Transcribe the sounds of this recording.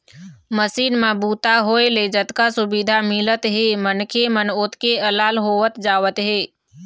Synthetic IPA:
məsiːnmabuːt̪aɦoeled͡ʒət̪kasʊbid̪ʱamɪlət̪ɦemənkʰemənot̪keəlaːlɦoːʋət̪d͡ʒaːʋət̪ɦeː

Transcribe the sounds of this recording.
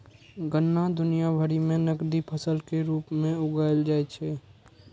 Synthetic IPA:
ɡənːad̪ʊnijabʱəɾimẽnəkd̪ipʰəsəlkeɾuːpmẽʊɡaːɪld͡ʒaːɛt͡ʃʰɛː

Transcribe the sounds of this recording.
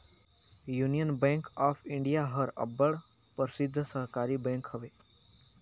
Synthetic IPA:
junijənbẽŋkaːpʰɪɳɖijaɦəɾə̰bːəɭ | pəɾsɪd̪ʱːsəɦkaːɾibẽːŋkhəʋeː

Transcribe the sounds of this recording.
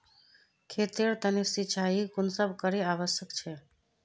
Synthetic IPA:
kʰet̪eɾt̪ənisit͡ʃʰaɦikunsəbʱkəɾeaʋəsjəkt͡ʃʰɛ

